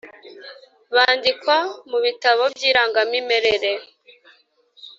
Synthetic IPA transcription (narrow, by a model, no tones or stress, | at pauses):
βaːndikwamuβitaβo̞bjiːɾaːŋɡamimeɾeɾe